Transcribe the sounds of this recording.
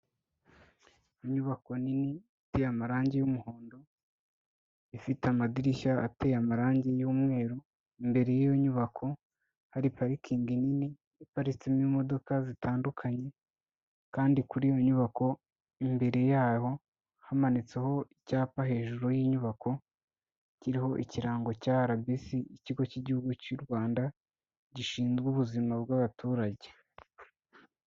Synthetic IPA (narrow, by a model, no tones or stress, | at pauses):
iɲuβako̞niniiteːjamaɾaːɲɟejumuhoːndo | ifitamadiɾiʃaa̰te̞ːjamaɾaːɲɟe̞juːmŋe̞ːɾo | imbe̞ɾe̞jijoɲuβakʰo̞ | haɾipaɾikʰiːŋɡinini | ipaɾit͡simimo̞do̞kazitaːndukʰaɲe̞ | kaːndikuɾijo̞ɲuβako̞ | imbe̞ɾe̞jaːho̞ | hamanit͡se̞ho̞icaːpaɦe̞ːʒuɾo̞jiːɲuβakʰo̞ | ciɾiɦo̞ʔiciɾaːŋɡo̞caːɾabisiiciɡo̞ciɟihuɡucuɾɡwaːnda | ɟiʃiːnzɡuβuzimabɡaβatuːɾaɟe̞